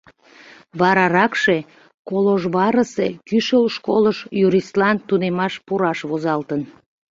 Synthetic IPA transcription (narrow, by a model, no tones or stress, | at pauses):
βɑɾɑɾɑkʃe | koloʒβɑɾəsekyʃəlʃkoləʃjuɾislɑnt̪unemɑʃpuɾɑʃβozɑlt̪ən